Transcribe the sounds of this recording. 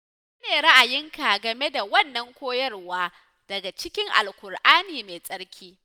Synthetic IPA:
s | ɐ˦neː˨ɽɐ˦ʔa˨jɪ˦ŋka˨ɡɐ˨me˦da˨wɐ˦˨nːɐ˦ŋkʷoː˦jɐ˦rwaː˦ | d̥ɐ˨ɡa˨t͡ʃɪ˦kʲɪ˦ŋʔa̰˨lkʷʊ˨rʔaː˦niː˨meː˨sʼɐ˦ɽkʲiː˦

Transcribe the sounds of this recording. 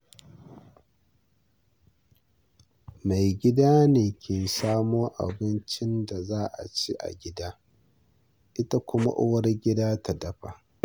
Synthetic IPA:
ma˨jɡʲɪ˦daː˦neː˨kʲʰeː˨saː˦moː˦ʔa̰˨bɪ˦nt͡ʃɪ˦nda˨zaː˦ʔa̰˨t͡ʃi˦ʔa̰˨ɡʲɪ˦daː˦ | ʔɪ˦ta˦kʷʊ˦ma̰˦ʔʊ̰˦wɐ˦rɡʲɪ˦daː˦ta˨dɐ˦ɸa˨ʔ

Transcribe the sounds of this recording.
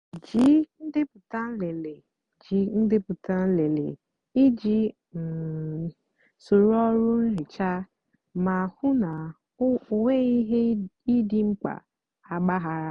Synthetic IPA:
d͡ʒi˦n̩˦dɪ˦pʊ˨ta˦n̩˦le˨le˨ | d͡ʒi˨n̩˦dɪ˦pʊ˨ta˦n̩˦le˨lḛ˨ | i˦d͡ʒi˦˨ | so˨ɾɔ˦ɾʊ˦n̩˦ɾɪ˨t͡ʃa˦ | ma˨hʊ˦na˨˦˨ | wʷe˦i˦ɦe˦i˦di˦ŋ͡m̩˦k͡pa̰˨ | a˨ɡ͡ba˦ɦa˦ɾa˦

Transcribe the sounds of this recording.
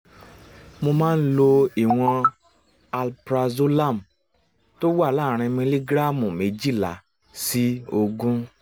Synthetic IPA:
mo˧mãː˦˧n̩˦lo˧i˨w̃ɔ̃˧ | a˧lpɾa˧zo˦la˦˨m˨ | to˦wa˦˨laː˦˨ɾ̃ĩ˧mĩ˧li˦ɡɾa˦˨mũ˨me˨d͡ʒi˦˨la̰˨ | si˦o˧ɡũ˦

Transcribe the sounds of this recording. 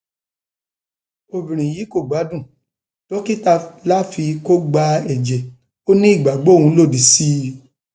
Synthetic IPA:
o˨bĩ˨ɾ̃ĩ˨ji˨˦ko˦˨ɡ͡ba˨˦dũ˦˨ | to˦ki˦ta˦˧la˦fi˧ko˦ɡ͡ba˧ɛ˨d͡ʒɛ˨ | o˦nĩ˦i˦˨ɡ͡ba˨ɡ͡bo˨˦˨wũ˧˦lo˦˨di˨˦si˦

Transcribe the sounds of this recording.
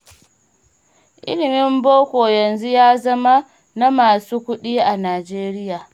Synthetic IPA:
ʔʔɪ̰˦lɪ˨mɪ˦mboː˦kʷoː˨jɐ˨nzu˦jaː˦zɐ˦ma˦ | na˦maː˨suː˦kʷʊ˦ɗiː˦ʔa˨naː˨d͡ʒeː˦ɾɪ˦jaː˨

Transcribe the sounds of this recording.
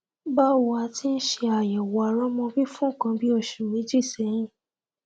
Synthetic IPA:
ba˦wa˧ti˦n̩˦ʃe˧a˨jɛ˨wɔ˨a˨ɾɔ̃˦mɔ̃˧bi˦fũ˦˨kã˧bi˦o˦˨ʃũ˨mĩ˦d͡ʒi˦˨sɛ˨˦ɾ̃ĩ˦˨

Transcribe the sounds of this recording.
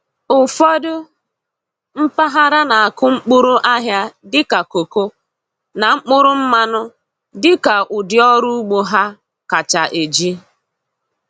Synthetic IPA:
ʊ˨fɔ˦dʊ˦ | m̩˦pa˦ɦa˦ɾa˦na˨a˨kʊ˦ŋ͡m̩˦k͡pʊ˦ɾʊ˦ʔa˦ɦja˦dɪ˦ka˨ko˨ko˦ | na˨ŋ͡m̩˦k͡pʊ˦ɾʊ˦m̩˦ma˦nʊ˦ | dɪ˦ka˨ʔʊ˨dɪ˨ɔ˦ɾu˦ɡ͡bo˦ɦa˦ | ka˨t͡ʃa˨ʔe˨d͡ʒi˦

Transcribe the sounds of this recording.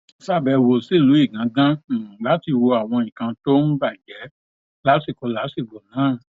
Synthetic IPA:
sa˦˨bɛ˧wo˨si˦˨lu˨˦i˦˨ɡã˨˦ɡã˦˨la˨˦ti˧wo˧a˨w̃ɔ̃˧ĩ˨kã˧to˦m̩̃˦ba˦˨d͡ʒɛ˨˦ | la˨˦si˦˨ko˨˦la˨˦si˦˨ɡ͡bo˨nãː˨˦˨

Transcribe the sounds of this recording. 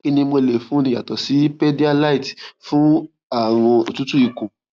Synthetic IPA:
ki˧nĩ˧mo˧le˨fũ˦nĩ˧ja˨tɔ˨si˨˦pɛ˦di˦a˧la˦i˨tfũ˦ | a˦˨w̃ɔ̃˧o˨tũ˦tũ˦i˨kõ˨

